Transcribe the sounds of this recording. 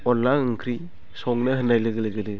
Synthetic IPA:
ɔlːaɯŋkʰɾi | sɔŋnɯhɯnajlɯɡɯlɯɡɯdɯ

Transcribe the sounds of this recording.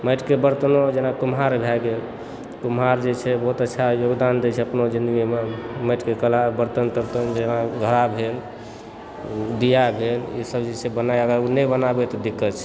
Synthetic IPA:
məjʈkebəɾt̪nod͡ʒenakumɦaɾbʱɛɡel | kumɦaɾd͡ʒet͡ʃʰɛbɔɦut̪ətːʃʰajoɡd̪and̪ɛt͡ʃʰɛəpnod͡ʒĩnd̪əɡimeməʈkekəlabəɾt̪ənt̪əɾt̪ənd͡ʒenaɡʱəɾabʱel | d̪ijabʱelḭsəbd͡ʒet͡ʃʰɛbənajəɡəɾunɛbənabɛt̪ɔd̪ikːət̪t͡ʃʰɛ̥

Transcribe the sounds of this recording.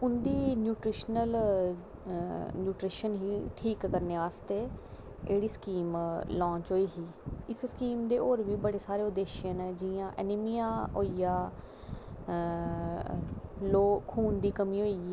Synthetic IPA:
ʊnd̪iːnjuːʈɾiːʃnəl | njuːʈɾiːʃənɦiːʈʰiːkːəɾneːʋaːst̪eː | ḛːɽiːskiːmlɔ̃ːt͡ʃɦoːiːɦiː | ɪsskiːmd̪eːʔoːɾʋiːbəɽeːsaːɾeːʊd̪eːʃjə̃ːnɛːd͡ʒɪãːʔɛ̰ːnɪmijãːɦoːiːjaː | loːkʰuːnd̪iːkəmĩːɦoːi

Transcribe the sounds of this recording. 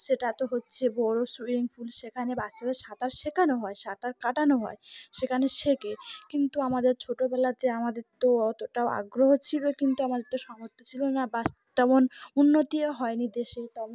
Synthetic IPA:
ʃeʈat̪oɦotːɕʰebɔɾosuɾiŋfulʃekʰanebat͡ɕad̪eɾʃat̪aɾʃekʰanoɦɔeʃat̪aɾkaʈanoɦɔeʃekʰaneʃekekint̪uamad̪eɾt͡ɕʰoʈobɛlat̪eamad̪eɾt̪oɔt̪oʈaoa̰ɡɾoɦot͡ɕʰilokint̪uamad̪eɾt̪oʃɔmoɾt̪ʰːot͡ɕʰilonabast̪ɔbonunːot̪ieɦɔenid̪eʃeɾt̪ɔm

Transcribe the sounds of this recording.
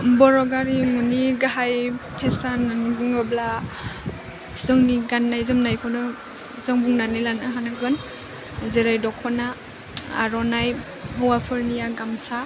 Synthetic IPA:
bɔɾɔɡaɾiŋuniɡaɦajpʰesanaŋbuŋɔbla | zɔŋniɡanːajzɯmnajkʰɔnɯ | zɔŋbuŋnanilanɯɦanɯɡɯn | zeɾajdɔkʰɔna | a̰ɾɔnaj | ɦɔwapʰɯɾnijaɡamsa

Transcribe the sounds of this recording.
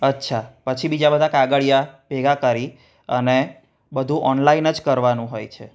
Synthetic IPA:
ətːʃʰapət͡ʃʰibid͡ʒabəd̪ʱakaɡəɭjabɛɡakəɾi | əne | bəd̪ʱũʔɔnlainəd͡ʒkəɾʋanũɦojt͡ʃʰḛ

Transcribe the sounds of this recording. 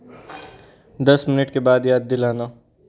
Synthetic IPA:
d̪ɐsmɪnɪʈkebaːd̪jaːd̪̚ːɪlaːnaː

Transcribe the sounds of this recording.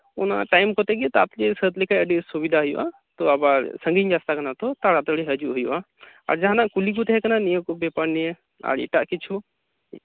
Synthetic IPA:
ɔna̰ʈajmkɔt̪ɛɡɛt̪at̪lesət̪likʰajəɖisubid̪ʱaɦʊjuʔa̰ | t̪ɔɐbaɾsəŋɡiɲd͡ʒast̪akɐnat̪ɔt̪aɽat̪ɔɽiɦɐd͡ʒuʔɦujṵʔa | ɐ̰ɾd͡ʒaɦanaʔkulik̬ut̪ɦɛkɐnanijəkɔbɛpaɽnijɛ | a̰ɾḭʈaʔkit͡ʃʰu

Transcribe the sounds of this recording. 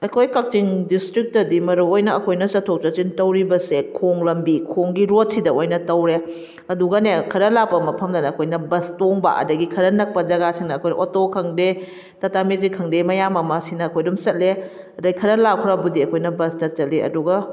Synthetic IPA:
ɐkʰojkɐk̚t͡ʃiŋdistɾik̚tɐdimɐɾuojnɐɐkʰojnɐsɐtʰok̚t͡ʃɐt͡ʃintɐwɾibɐsekʰoŋlɐmbikʰoŋɡiɾot̚sidɐojnɐtɐwɾe | ɐduɡɐnekʰɐɾɐlapɐmɐpʰɐmdɐnɐːkʰojnɐbɐstoŋba̰ʔɐ̰dɐɡikʰɐɾɐnɐk̚pɐd͡ʒɐɡasiŋnɐkʰojnɐ̰ʔotokʰɐŋde | tɐtamezikʰɐŋdemɐjamɐmɐsinɐːkʰojdumsɐt̚le | ɐdɐjkʰɐɾɐlakʰuɾabudiɐkʰojnɐbɐstɐt͡ʃɐtleɐ̰duɡɐ

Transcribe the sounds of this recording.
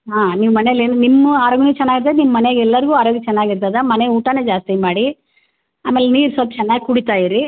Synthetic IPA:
ɦaːniːʋmɐneleːnunimːɐaːɾoːɡɐnet͡ʃɛnːaːɡiɾt̪̬aːd̪enimːɐmɐneɡɛlːɐɾiɡuːaːɾoːɡit͡ʃɛnːaːɡiɾt̪aːd̪ɐmɐneuːʈane̞ːd͡ʒaːst̪imaːɽi | aːme̞ːleniːɾsɐlt̪t͡ʃɛnːaːɡikuɽit̪aːjiɾi

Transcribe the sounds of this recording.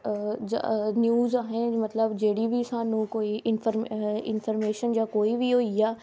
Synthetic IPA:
d͡ʑa̰njuːzaːɦɪnɪmɐt̪ləbd͡ʑɐɦɪɽibɪsãnũkoːiʔɪnfəɾɪnfəɾmeːʃənd͡ʑakoːibioijaː

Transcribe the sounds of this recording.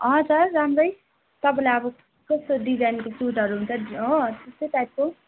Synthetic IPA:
ʌt͡sʌrːamrʌj | t̪ʌpãlajʌbʌ | kʌst̪oɖid͡zajnkosuʈʌɾuɦunt͡sʰʌʌt̪est̪eʈ̪ajʈ̚ko

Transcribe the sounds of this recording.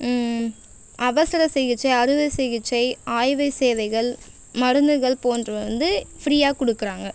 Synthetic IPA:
ʔɐʋɐsɐɾɐsɛɣɪt͡ʃːɐɪɐɾɯʋɐɪsɛjɪt͡ʃːɐɪaːjʋɐɪseːʋɐɪɣɐɭ | mɐɾɯnd̪ɯɣɐɭpoːndrɐɐnd̪ɯfɾiːaːkɔɽɯkːɪɾaːŋɡɐ

